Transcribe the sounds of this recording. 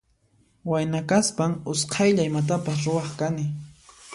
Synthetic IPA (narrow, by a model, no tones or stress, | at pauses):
wajnakaspaŋʊsqʰɑjʎaɪmat̪̬apas̬ɾʊwɑχkanɪ